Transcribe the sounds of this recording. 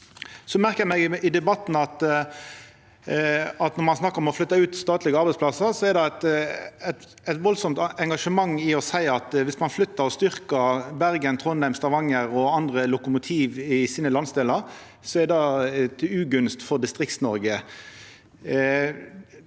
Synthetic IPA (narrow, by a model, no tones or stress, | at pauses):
sɔmæʁkəɛmɛɡɪd̪ɛbɑt̪ːn̩ɑt̪ | ɑt̪nɔmɑnsnɑkːəɾɔmɔflʏt̪ːɑʉːt̪st̪ɑːt̪lɪɡəɑɾbæɪtsplɑsəɾsɔɛɾd̪ɑt̪æt̪ | æɪt̪ʋɔlsɔmt̪ɛŋɡɑʂəmɑŋːɪɔsæɪɑt̪ʋɪsmɑnflʏt̪ːəɾɔst̪ʏʁkəɾbæɾɡənt̪ʰʁɔnæɪmst̪ɑʋɑŋːəɾɔɑnd̪ʁəlʊkʊmʊt̪ʰiːʋɪsiːnəlɑnsd̪eːləɾ | sɔɛd̪ɑt̪ʉːɡʉnst̪fɔʁd̪ɪst̪ʁɪkt̪snɔɾɡə